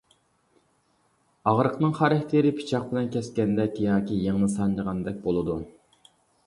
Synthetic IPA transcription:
ɑʁɾəqnɨŋχɑɾɛht̪ʰeɾɪpʰi̥t͡ʃʰɑq̚bɪlɛnkʲʰɛskʲɛnd̪ɛkʲʰjɑːkʲijeŋnɨsɑnd͡ʒəʁɑnd̪ɛk̚ʲbolˠɨd̪u

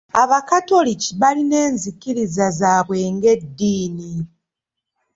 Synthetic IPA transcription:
aβakato̞liciβaline̞ːnzikiɾizazaːβwe̞ːŋɡe̞dːiːni

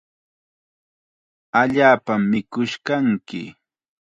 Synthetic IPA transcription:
aʎaːpamːɪkʊʃkaŋkɪ̰

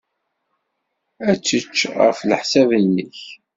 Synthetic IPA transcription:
æt͡sːət͡ʃːʁəflħsævənːəç

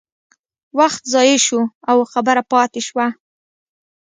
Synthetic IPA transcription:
waxt̪zɑjeʃuawxabəɾapɑt̪eʃwa

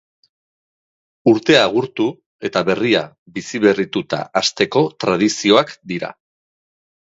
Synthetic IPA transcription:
uɾt̪e̞aɣ̞uɾt̪u | e̞t̪aβe̞ria | bisiβe̞rit̪ut̪a̰ʔast̪e̞ko̞t̪ɾað̞isio̞akd̪iɾa̰

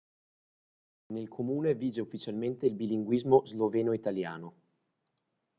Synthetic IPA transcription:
nelkʰomuːneviːd͡ʒeufːit͡ʃalment̪eilbiliŋɡwizmozlovɛːnoit̪aljaːno

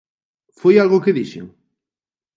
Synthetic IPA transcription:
fojalɣʊkɪðiʃḛŋ

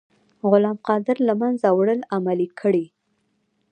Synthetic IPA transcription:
ɣʊlɑmqɑd̪ɪɾlamanzawɽəlamalikʰəɽi

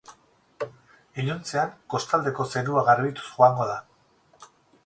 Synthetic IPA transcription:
iʎont͡se̞aŋko̞st̪ald̪e̞ko̞se̞ɾuaɣaɾβit̪u̥sxoaŋɡo̞ð̞a

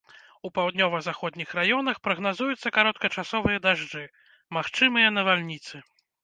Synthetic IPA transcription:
upawd̪ʲnʲɔvɐzaxɔd̪ʲnʲixɾajɔnɐxpɾɐɣnazujut̪sːɐkaɾɔt̪̚kɐt͡ʂasɔvɨjɐd̪aʐd͡ʐɨ | maxt͡ʂɨmɨjɐnɐvalʲnʲit̪sɨ

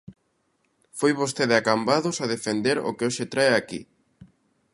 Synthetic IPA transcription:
fojβost̪eðɪakambaðʊsaðefend̪eɾo̰keoʃet̪ɾaeakḭ

